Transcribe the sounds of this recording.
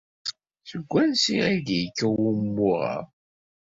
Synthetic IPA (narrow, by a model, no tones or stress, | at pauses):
səɡʷːænsiʁiɡjəkːəwumːʊʁə̰ʁ